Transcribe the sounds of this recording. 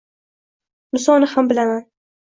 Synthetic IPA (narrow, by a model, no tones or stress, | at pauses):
mʊsɒnɪhambɪlaman